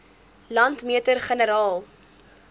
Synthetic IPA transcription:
lɐntmiətərχənəɾɑːlˠ

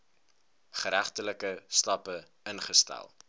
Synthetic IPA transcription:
χəɾæχtələkəstɑpə | ənχəstæ̰lˠ

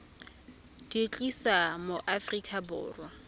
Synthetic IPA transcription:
d̥et͡ɬʼisamoʔafrikʼabʊ̰ːrwa

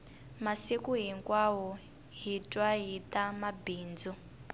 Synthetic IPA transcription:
masekuɦiŋkwawɔ | ɦitʼwaɦitʼamabiːnd͡zu

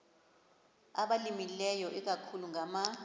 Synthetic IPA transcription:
aɓalimilɛjɔʔɛk̬akʰuluŋama

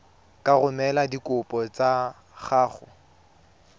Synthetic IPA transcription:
kʼaɣʊmɛladikʼʊpʼɔt͡sa | χaːχʊ

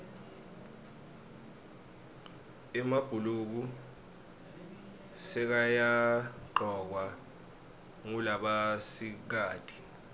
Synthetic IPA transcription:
ɛmab̥ʱuluk̬u | sɛk̬ajaǃʱɔk̬wa | ŋulaɓasik̬aːd̥ʱi̥

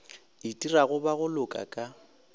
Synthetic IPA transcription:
ɪtʼiraɣʊbaɣʊlʊkʼa̰kʼa

